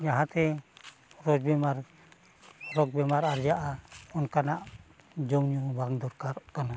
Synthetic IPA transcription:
d͡ʒaɦãt̪ɛ | ɾɔd͡ʒbɛmaɾ | ɾɔk̚bɛmaɾaɾd͡ʒaʔaɔnkanaʔ | d͡ʒɔwnubaŋd̪ɔɾkaɾkana

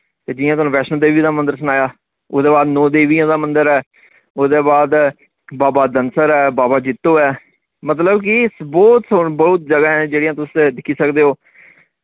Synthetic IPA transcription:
t̪eːd͡ʒɪːjãːt̪ʊonũːʋɛːʃə̃d̪eːʋiːd̪aːmənd̪əɾsʊnaːjaː | oːd̪eːbaːd̪nõːd̪eːʋiːãːd̪aːmə̃nd̪əɾɛː | oːd̪eːbaːd̪ | baːbaːd̪ənsəɾɛːbaːbaːd͡ʒɪt̪ːoːɛː | mət̪̬ləbk̬ɪsbɔːt̪sʊbəʊt̪̚d͡ʒəɡaːɛ̃d͡ʒeːɽijãːt̪ʊsd̪ɪkʰiːsəkd̪eːɦoː

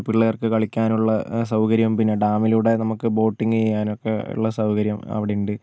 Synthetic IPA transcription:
piɭːɐjɐrkɨkɐɭikʲːaːnuɭːɐsɐwkɐɾjɐmpinːe̞ɖaːmiluɽe̞nɐmukːɨbo̞ːʈːiŋɡɨejːaːnokːeṵɭːɐsɐwkɐɾjɐmɐ̰ʋiɽejuɳɖɨ

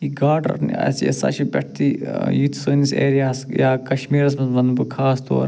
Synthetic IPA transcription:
iɡaːɾɖɐ̰ɾn̰ɐ̰sijɐ̰sa̰ʃibʲɛʈ̚ʰt̪ijit̪ʰsoːnisḛːɾijaːsjaːkɐʃmiːɾɐs̬mɐsʋɐnbukʰaːst̪o̰ːɾ

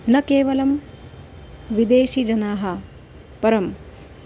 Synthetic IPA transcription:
nɐkeːʋɐlɐm | ʋid̪eːʃid͡ʒɐnaːɦɐ | pɐɾɐm

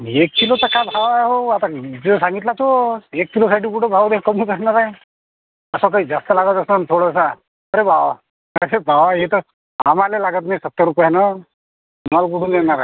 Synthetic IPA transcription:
iekːilot̪əkabʱaʋaɦoat̪ad͡zesãŋɡit̪lat̪oekːilosaʈʰiːpuʈʰebʱaʋd̪ekəmuːd͡zəsnaɾae | əsəkəid͡zast̪əlaɡət̪əsnant̪ʰoɽəsa | əɾebʱaʋa | əɾebʱaʋaɦet̪ə | a̰malelaɡət̪najsət̪ːəɾupjanə | mmalkuʈʰunenaɾae

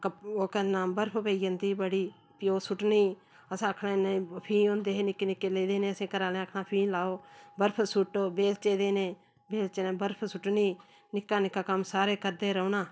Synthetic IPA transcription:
koːkənaːmbəɾpʰːpeiːənd̪iːbəɽiː | pɪjoːsʊʈniː | əsãːəkʰɽaːnapʰĩːõːnd̪eːɦenɪkːenɪkːeːleːd̪eːnẽːəsẽːkəɾaːlẽːəkʰnãːpʰiːlaːoːbəɾpʰsʊʈːoːbeːlt͡ʃeːd̪eːneː | beːlt͡ʃeːnẽːbəɾpʰsʊʈniː | nɪkːaːnɪkːaːkəmsaːɾeːkəɾd̪eːɾəuːnaː

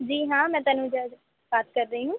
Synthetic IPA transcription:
d͡ʒiːɦãːmɛ̃ːt̪aːnũːd͡ʒad͡ʒ | baːt̪̚kəɾːəiːɦũː

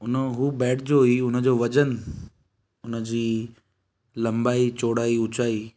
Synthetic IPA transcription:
ʊnəɦuːbɛːʈd͡ʑoːiʊnə̆d͡ʑoːʋɐd͡ʑən | ʊnəd͡ʑiː | lɐ̃mbaːit͡ɕoːɽaːiʊt͡ɕaːiː

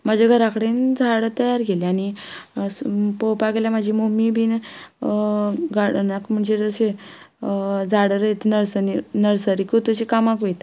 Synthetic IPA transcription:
məd͡ʑeɡʱəɾakəɽend͡zʱaɽət̪əjaɾɡeleanispowpaɡeljam̤ad͡ʑʱimomibʱiːn | ɡaɽnakm̤əɳd͡ʑed͡zəse | d͡zʱaɽəɾəjt̪nəɾsəninəɾsəɾikut̪ət͡ɕikamakʋejt̪

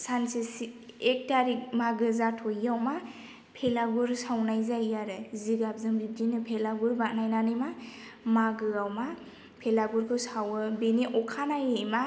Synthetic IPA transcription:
sansesiek̚taɾik̚maɡɯzatʰɔjːawma | pʰelaɡuɾsawnajzajjaɾɯziɡap̚zɯŋbib̚dinɯpʰelaɡuɾbanajnanɯjma | maɡɯawma | pʰelaɡuɾkʰɯsawɯbeniʔɔkʰanajejma

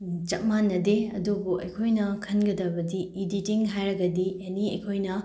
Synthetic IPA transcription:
t͡ʃɐt̚manːɐdeɐdubuɐ̰jkʰojnɐkʰɐnɡɐdɐbɐdiiditiŋɦajɾɐɡɐdiɐniɐ̰jkʰojnɐ

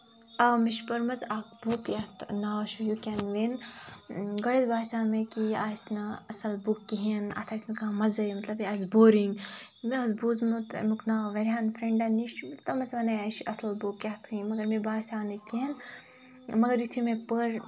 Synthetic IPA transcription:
ɐmiʃpɐɾmɐzak̚boːkjɐt̪ʰnaːʃujukʲanʋen | ɡɐɽet̪baːsʲaːmekiaːsnɐɐsɐlbukːiɦena̰t̪ʰaːsʲnɐkamɐzɐmɐt̪lɐbiazboːɾiŋɡmeɐzbuːzmut̪mukʰnaːʋɐɾʲaːnfɾeɳɖaniʃt̪ɐmɐzʋɐnɐaːʃɐsɐlbukjat̪ʰimɐɡɐɾmebaːsʲaːnɐk̪iɦin | mɐɡɐɾjit̪ʰimepəɾ

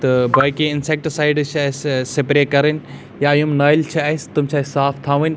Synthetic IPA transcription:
t̪ɐbʱɐjkeɪnsek̚ʈsaːɪɖt͡ʃʰɐssepɾekɐɾən | jajumnaːjlt͡ʃʰiaist̪umt͡ʃʰaːsaːft̪ʰãːʋin

